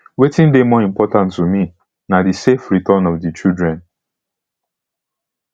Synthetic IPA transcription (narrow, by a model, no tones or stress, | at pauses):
wetĩndemɔĩmpɔtãntːumi | nadisefɾitɔnɔfdit͡ʃildɹɛ̃n